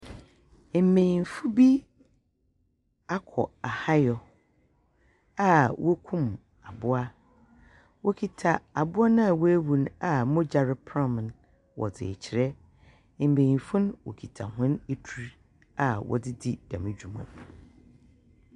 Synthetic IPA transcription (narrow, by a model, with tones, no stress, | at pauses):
m̩˦˨mẽ˨ĩ˨nfu˦bi˦ | a˦kʰɔ˨a˨ha˦jɔ˨ | a˦wʔɔ˦kʰũ˦˨m | a˨bʊ˦a˦ | wʔo˦kʰi˨tʰa˨a˨bʊ˦a˦nã˦a˨wɔ˦æ˦wu˨na˨mʊ̃˦d͡ʑa˨ɾɪ˦pʰɾã˦m˨n | wʔɔ̰˨dɪ̰˨t͡ɕʰɪ˨ɾɛ˦˨ | bẽ˨ĩ˨fũ˦ñ˦wo̰˨kʰi˨tʰa˨hʊ̃˦ne˦tʰu˦˨ɾ | a˨wɔ̰˨dɪ˦dɪ˦d̥ã̰˨mɪ̃˨d͡ʑᶣu˨mã̰˨